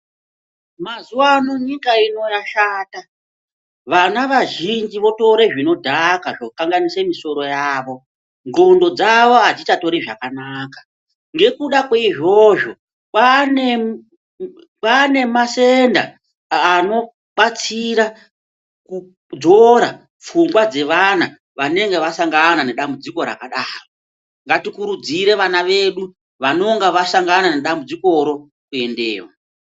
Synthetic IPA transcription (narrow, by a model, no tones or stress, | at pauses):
mazuwanoɲikaino̞jaʃaːta | ʋanaʋaʒind͡ʒiʋo̞to̞ɾe̞ʐino̞dʱakaʐokaŋɡanise̞miso̞ɾo̞jaːʋo̞ | ŋɡo̞ndo̞d͡zaʋo̞ad͡zitato̞ɾiʐa̰kanaːkḁ | ŋɡe̞kuɗakweiʐo̞ʐo̞ | pane | pane̞mase̞ndaː | no̞ | ɓat͡siɾa | ku | d͡zo̞ɾa | p͡fuŋɡwad͡ze̞ʋana | ʋane̞ŋɡeʋasaŋɡanane̞ɗambud͡ziko̞ɾa̰kaɗaːro | ŋɡatikuɾud͡ziɾe̞ʋanaʋe̞ɗu | ʋano̞ŋɡaʋasaŋɡanane̞ɗambud͡ziko̞ɾo̞ | kue̞ndḛːwa